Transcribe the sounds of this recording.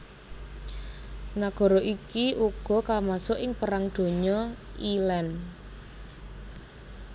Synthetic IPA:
naɡ̥ɔ̤ɾɔʔikiʔuɡ̥ɔ̤kamasʊʔɪŋpəɾaŋd̪̥o̤ɲɔilɛn

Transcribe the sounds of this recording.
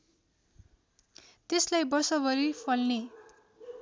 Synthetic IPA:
t̪eslajbʌrsʌbʌɾipʰʌlne

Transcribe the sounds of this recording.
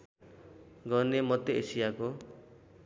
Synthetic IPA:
ɡʌnemʌt̪ːeesijako

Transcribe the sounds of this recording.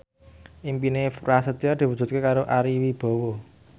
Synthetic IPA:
ʔimpinerasət̪iard̪̥i̤wu̥d͡ʒ̥ṳt̪̚kekaɾoʔaɾiwib̥ɔ̤wo

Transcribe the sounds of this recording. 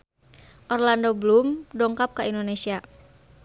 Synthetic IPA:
ʔɔrlandɔbəlumdɔŋkap̚kaindonesia

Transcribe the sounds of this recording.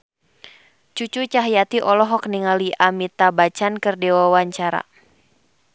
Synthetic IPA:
t͡ʃut͡ʃut͡ʃaɦjat̪iʔɔlɔɦɔk̚niŋaliʔamit̪abat͡ʃankɨrdɛwawaɲt͡ʃaɾa̰

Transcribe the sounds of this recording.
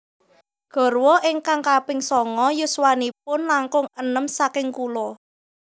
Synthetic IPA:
ɡ̥ɔ̤rwɔʔɪŋkaŋkapɪŋsɔŋɔjʊswanip̚ʊnlaŋkʊŋənəmsakɪŋkulɔ

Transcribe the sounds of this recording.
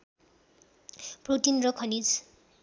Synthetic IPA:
prot̪inrʌkʰʌnid͡z

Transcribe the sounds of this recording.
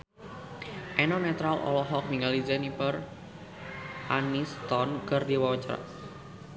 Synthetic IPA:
ʔɛnɔnɛt̪ɾalʔɔ̰lɔɦɔk̚miŋalid͡ʒɛnipər | ʔanist̪ɔnkərdiwawat͡ʃɾa̰

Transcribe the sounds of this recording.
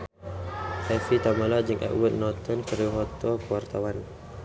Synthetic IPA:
hɛfit̪amalad͡ʒəŋʔɛ̰ʔwət̪̚nɔt̪ənkəriɦɔt̪ɔkəwart̪awan

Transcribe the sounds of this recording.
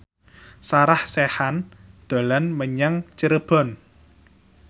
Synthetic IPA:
saɾahsehand̪̥o̤lanməɲaŋt͡ʃəɾəb̥ɔ̤n

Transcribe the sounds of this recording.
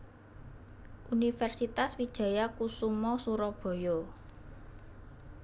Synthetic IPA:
ʔunifɛrsit̪aswid̥ʒ̥ä̤jakusumɔsuɾɔb̥ɔ̤jɔ

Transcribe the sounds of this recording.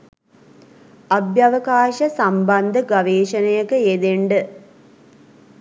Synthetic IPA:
abjaʋəkaːʃəsambɐnd̪əɡaʋeːʃənəjəkəed̪eɳɖə

